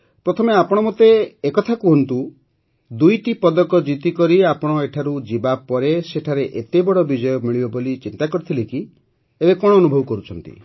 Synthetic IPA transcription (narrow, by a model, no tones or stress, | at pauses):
pɾɔt̪ʰɔmeapɔɽ̃ɔmot̪eːkɔt̪ʰakuɦɔnt̪u | d̪ujʈipɔd̪ɔkɔd͡ʒit̪ikɔɾiapɔɽ̃ɔeʈʰaɾud͡ʒibapɔɾeseʈʰaɾeʔet̪ebɔɽɔbid͡ʒɔjɔmiɭibɔbolit͡ʃint̪akɔɾit̪ʰileki | ebekɔɽ̃ɔːnubʱɔbɔkɔɾut͡ʃʰɔnt̪ḭ